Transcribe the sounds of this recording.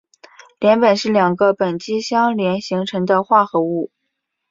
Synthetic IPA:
ljɛ˧˥npə˨˩nʂɻ̩˥˩ljɑ˨˩ŋɡə˦pə˨˩nt͡ɕi˥ɕjɑ˥ŋljɛ˧˥nɕi˧˥ŋʈ͡ʂʰɤ˧˥ŋd̪ə˧xwa˥˩xɤ˧˥u˥˩

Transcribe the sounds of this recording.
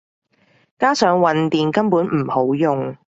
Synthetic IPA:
kaː˥sœː˨˥ŋwɐ˨nt̪iː˨nkɐ˥npuː˨˥nm̩˨˩ho˨˥wjʊ˨ŋ

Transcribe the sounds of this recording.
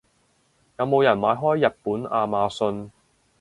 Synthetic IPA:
jɐ˨˧wmo˨˧wjɐ˨˩nmaː˨˧jɦɔː˥jːɐ˨t̚puː˨˥naː˧maː˧sɵ˧n

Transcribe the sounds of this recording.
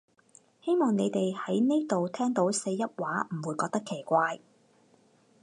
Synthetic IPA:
he˥jmɔː˨˩ŋne˨˧jt̪e˨jhɐ˨˥jne˥jt̪o˨wt̪ʰɛː˥ŋt̪o˨˥wse˧jːɐ˥t̚waː˨˥m̩˨˩wuː˨˧jkɔː˧k̚t̪ɐ˥kʰe˨˩jkʷaː˧j

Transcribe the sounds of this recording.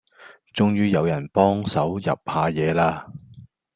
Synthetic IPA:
t͡sʊ˨˧ŋjyː˧jɐ˨˧wjɐ˨˩npɔː˥ŋsɐ˨˥wjɐ̰˨p̚haː˨˧jɛː˨˧laː˧

